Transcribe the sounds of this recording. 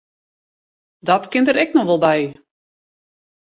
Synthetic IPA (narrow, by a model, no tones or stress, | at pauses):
dɔtkɪntəɾɛknɔxʋɔlˠbɛj